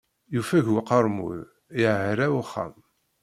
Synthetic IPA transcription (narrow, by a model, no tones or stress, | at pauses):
jufæʝwaqəɾˤmṵð | jəʕɾæwχːæ̰m